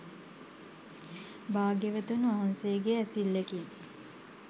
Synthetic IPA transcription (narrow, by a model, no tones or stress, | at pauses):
baːɡeʋət̪unʋaɦansejəɡeæsilːeki